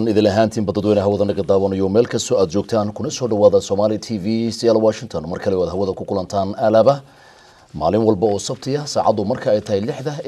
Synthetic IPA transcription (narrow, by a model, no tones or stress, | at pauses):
nɪðɪlɐɦaːnt̪ʰiːnbɐd̪ɐd̪wɛːnɐɦɐwɐðɐnɐɣɐd̪aːwɐnɐjɔmɛːlkʰɐst̪ʰɔaːd̪̚t͡ʃɔːɡ̚t̪ʰaːnkʰʊnɐsɔːɖɐwaːðɐsɔːmaːlɪt̪ʰiːvisɛlwaːʃɪnt̪ʰɔnmɐrkʰɐlɛɔaːd̪ɦɐwɐðɐkʰʊkʰʊlɐnt̪ʰaːnʔɐlɐːβɐ | ma̰ːlɪnwɐlbɐɔːsɐbt̪ʰɪjɐsaːʕɑ̰d̪ʊmɐrkʰɐɛjt̪ʰɐɦɛjlɪħd̪ɐ